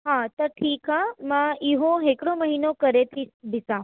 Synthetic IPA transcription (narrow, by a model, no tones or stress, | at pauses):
ɦãt̪əʈʰiːkɦamãiɦõɦekɽõməɦinokəɾet̪ʰib̪ɪsã